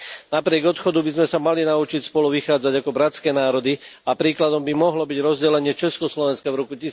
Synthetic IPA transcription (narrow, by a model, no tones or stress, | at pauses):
napɾɪɛɡɔt̪xɔd̪ubizmɛsamalinaut͡ʃicspɔluʋixaːd͡zaɟakɔbɾat͡skɛːnaːɾɔd̪iapɾiːklad̪ɔmbimɔɦlɔbiɟɾɔzɟɛlɛɲɪɛt͡ʃɛskɔslɔʋɛnskavɾɔkuci